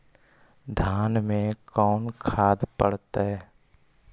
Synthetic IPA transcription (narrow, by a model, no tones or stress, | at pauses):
d̪ʱaːnmẽkɔːnkʰaːd̪pə̰ɽt̪eɛ